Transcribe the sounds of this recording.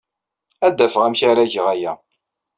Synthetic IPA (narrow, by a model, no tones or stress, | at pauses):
æd̪ːæfʁæmçaɾæʝəʁæjæ